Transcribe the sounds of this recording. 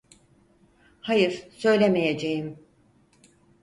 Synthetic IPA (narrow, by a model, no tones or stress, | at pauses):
hajɯɾsø̞jlʲemejed͡ʒejim